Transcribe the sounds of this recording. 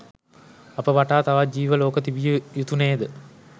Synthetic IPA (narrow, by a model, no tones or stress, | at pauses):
ɐpəʋaʈaːt̪aʋad͡ʒiːʋəloːkət̪ibijujut̪uneːd̪ə